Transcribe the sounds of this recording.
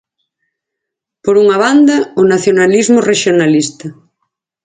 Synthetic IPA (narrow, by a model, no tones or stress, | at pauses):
poɾuŋaβ̞and̪ɐonaθjonalizmoreʃjonalist̪ɐ